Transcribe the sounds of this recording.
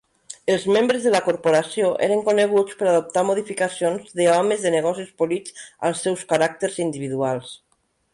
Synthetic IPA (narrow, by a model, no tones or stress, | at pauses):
elzmẽmbɾezðelakoɾpoɾasjoʔḛɾeŋkoneɣ̞ut͡speɾaðop̚t̪aɾmoð̞ifikasjonzðeɔmezðeneɣ̞ɔsiuspolit͡sa̰lˠsːɛwskaɾak̚t̪eɾzind̪iβ̞iðualˠs